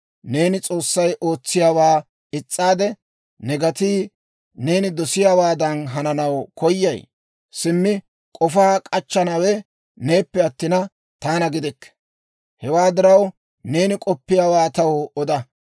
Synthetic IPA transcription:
ne̞ːnɪt͡sʼo̞ːsːɐjʔo̞ːt͡sːɪjaːwaː | ɪt͡sʼːaːd̪ɛ | nɛɡɐt̪iː | ne̞ːnɪd̪ɔsɪjaːwaːd̪ɐnɦɐnɐnɐwkʰɔjːɐj | sɪmːɪ | kʼɔfaːkʼɐt͡ʃːɐnɐwɛ | ne̞ːpːɛɐt̪ːɪnɐ | t̪aːnɐɡɪd̪ɛkː | hɛwaːd̪ɪɾɐw | ne̞ːnɪkʼɔpːɪjaːwaːt̪ɐwɔd̪ɐ

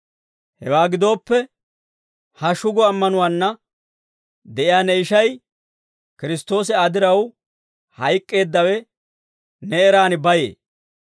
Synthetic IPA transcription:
hɛ̰waːɡɪd̪o̞ːpːɛ | hɐʃʊɡɔɐmːɐnʊwaːnːɐ | d̪ɛʔɪjaːnɛɪʃɐj | kɪɾɪst̪o̞ːs̬ɛɐd̪ɪɾɐw | hɐjkʼːe̞ːd̪ːɐwɛ | nɛːɾaːnɪbɐjḛː

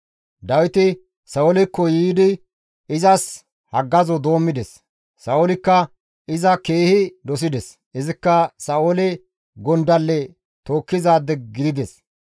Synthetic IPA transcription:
d̪ɐwɪt̪ɪ | sɐɔlɪkːɔjiːd̪ɪ | ɪzɐs | hɐɡːɐzɔd̪o̞ːmːɪd̪ɛs | sɐʔɔlɪkːɐ | ɪzɐke̞ːhɪd̪ɔs̬ɪd̪ɛs | ɪzɪkːɐsɐolɛ | ɡɔnd̪ɐlːɛ | t̪o̞ːkːɪzaːd̪ɛɡɪd̪ɪd̪ɛs

